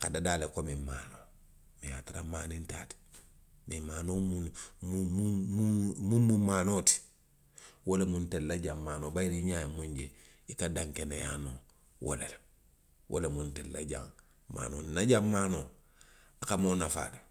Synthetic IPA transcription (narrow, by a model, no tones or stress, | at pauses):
kadadaːlekomimaːnoː | mijatiɾamaːninta̰ːti̥ | mimaːnoːmumumumumummumaːnoːti̥ | wolemuntellaɟammaːnoːbajiɾiɲaːjemuɲɟe | ikadãŋkenejano | wo̰lele | wʔo̰lemuntella̰ɟa̰ŋ | ma̰ːno̰ninaɟammaːno | akamonafa̰ːle